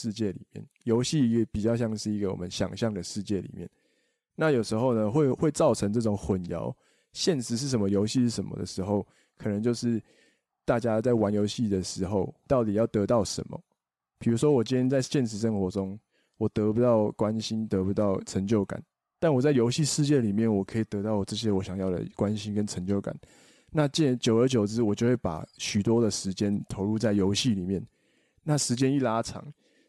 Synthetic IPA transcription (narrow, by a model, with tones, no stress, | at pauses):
ʂɻ̩˥˧t͡ɕjɛ˥˩lḭ˨˩mjɛ̰˥˩njo˧˥ʊɕi˥˩i˧˦˥ɡə˨pi˨˩t͡ɕjɑ˥˧ʊɕjɑ˥˧ŋʂɻ̩˥˩i˧˥ɡə˨wɔ̰˨˩mə˦nɕjɑ̰˨˩ŋɕjɑ˥˩ŋd̪ə˩ʂɻ̩˥˧t͡ɕjɛ˥˩lḭ˨˩mjɛ̰˥˩n | na˥˨jo˨˩ʂɻ̩˧˥xo˥˩ʊnə˨xwe˥˧ɪxwe˥˧ɪt͡sɑ˥˩ʊʈ͡ʂʰə˧˥ŋʈ͡ʂɤ˥˩ʊ˨˩ŋxwə˨˩njɑ̰˧˥˦ʊ | ɕjɛ˥˨nʂɻ̩˧˥ʂ̬ɻ̩˥˩ʂə˧˨˦mə˧˦jo˧˥ʊɕi˥˧ʂɻ̩˥˩ʂə˨˩nmə̰˦d̪ə̰˩ʂɻ̩˧˥xo˥˩ʊ | kʰɤ˨˩nə˧˦ŋt͡ɕjo˥˧ʊʂɻ̩˥˧ | t̪a˥˩t͡ɕja˦t͡sa˥˩ɪwa˧˦njo˧˥ʊɕi˥˩d̪ə˩ʂɻ̩˧˥xo˥˧ʊt̪ɑ˥˩ʊt̪i˨˩jɑ˥˩ʊt̪ɤ˧˥t̪ɑ˥˩ʊʂə̰˧˦nmɔ̰˨ | pʰi˨˩ɻu˧˥ʂwɔ˦wɔ˨˩t͡ɕi˥ni˥nt͡sa˥˧ɪɕjɛ˥˩nʂʰɻ̩˧˥ʂə˥nxwɔ˧˥ʈ͡ʂʊ˦ŋ | wɔ˨˩t̪ɤ˧˦˥pu˧t̪ɑ˥˩ʊkwa˦nɕi˦nt̪ɤ˧˦˥pu˨˧t̪ɑ˥˩ʊʈ͡ʂʰə˧˥ŋt͡ɕjo˥˩ʊka̰˨˩˦n | t̪a˥˩nwɔ˨˩t͡sa˥ɪjo˧˥ʊɕi˥˧ʂɻ̩˥˧t͡ɕjɛ˥˨li˨˩mjɛ˥˩nwɔ˨˩kʰɤ˧˥i˨˩t̪ɤ˧˥t̪ɑ˥˩ʊ˨˩ʈ͡ʂɤ˥˩ɕ̬jɛ˦wɔ˨˩ɕjɑ˨˩ŋjɑ˥˩ʊd̪ə̰˨˩kwa˦nɕi˥nkə˦nʈ͡ʂʰə˧˥ŋt͡ɕjo˥˩ʊka̰˨˩˦n | na˥˨t͡ɕɛ˥˨nt͡ɕjo˨˩ʊə˞˧˥t͡ɕjo˨˩ʊt͡sɻ̩˦wɔ˨˩t͡ɕjo˥˧xwe˥˩ɪpa̰˨˩ɕy˨˩t̪wɔ˥d̪ə˨ʂɻ̩˧˥t͡ɕjɛ˦nt̪ʰo˧˥ʊɻu˥˧t͡sa˥˩ɪjo˧˥ʊɕi˥˨li˨˩mjɛ˥˩n | na˥˨ʂɻ̩˧˦˥t͡ɕjɛ˦ni˥˩la˥ʈ͡ʂʰɑ̰˨˩˦ŋ